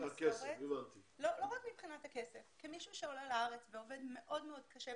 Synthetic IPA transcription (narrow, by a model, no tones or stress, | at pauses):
akesevant̪iloloʁakmipχinat̪hake̞sefkimiʃuʃeolelaaʁet͡sveo̞vedme̞ʔo̞dmeo̞d̪kʰɐʃe